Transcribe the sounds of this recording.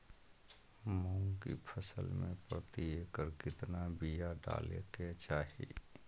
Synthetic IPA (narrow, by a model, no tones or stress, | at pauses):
məʊŋkḭpʰəsəlmḛ̃pɾət̪iekəɾkɪt̪nabijaɖa̰ːlḛket͡ʃaːɦḭ